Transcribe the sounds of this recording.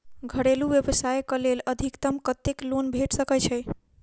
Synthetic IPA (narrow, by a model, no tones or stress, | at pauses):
ɡʱəɽeluʋjəbəsajkəleləd̪ʱikt̪əmkət̪eklonbʱeʈʰsəkɛt͡ʃʰɛj